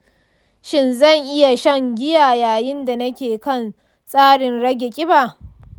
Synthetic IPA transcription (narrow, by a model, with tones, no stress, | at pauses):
ʃɪ˦nzɐ˦˨ŋʔɪ˦ja˨ʃɐ˦˨ŋɡʲɪ˦jaː˨jaː˨jɪ˦nda˨nɐ˦kʲeː˨kɐ˦n | sʼaː˦ɽɪ˨nɽɐ˦ɡʲe˨kʲʼɪ˦baː˨